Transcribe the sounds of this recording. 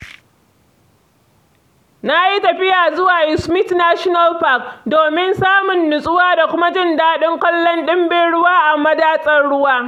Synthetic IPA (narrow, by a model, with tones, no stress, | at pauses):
na˦ʔji˦tɐ˨ɸɪ˦jaː˨zʊ˦waː˨jɪ˦smɪ˦tnaː˦ʃɔ˦na˦lɸa˦k̚doː˨mɪ˦nsaː˦mʊ˨nːʊ˨sʼʊ˦waː˦da˨kʷʊ˦ma˦d͡ʒɪ˦ndaː˦ɗɪ˦ŋkʷɐ˦lːɔ˦nɗɪ˦mbeː˦ɽʊ˦waː˦ʔa˨mɐ˦daː˦sʼɐ˦rɽʊ˦waː˦